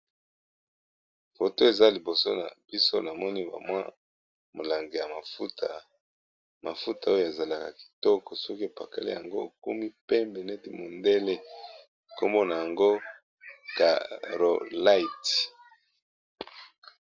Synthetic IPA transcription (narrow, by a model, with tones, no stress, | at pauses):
fo˨to˦e˨za˦li˨bo˨so̰˦na̰˨b̥i˦so˦na˨mɔ˦ni˦ba̰˨mwa̰˦ | mo˨la˨ŋɡe˨ja˨ma˨fu˦ta̰˨ | ma˨fu˦ta˨o˦jo˦e˨za˨la˨ka˨ki̥˨tɔ˦kɔ˨sɔ˦ki˦e˨pa˨ka̰˨lḭ˦ja˨ŋɡo̰˦˨kṵ˦mi˦pe˦mbe˨nɛ˦ti˦mo˨nde˦le˦˨ | ko˦mbo˦na˨ja˨ŋɡo˦ | ka̰˨ʁo˨la˦i˨t